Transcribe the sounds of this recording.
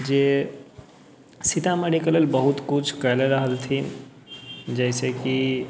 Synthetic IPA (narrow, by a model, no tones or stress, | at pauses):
d͡ʒe | sit̪ameɽikələlbəɦut̪kut͡ʃʰkəleɾəɦəlt̪ʰin | d͡ʒəɪseki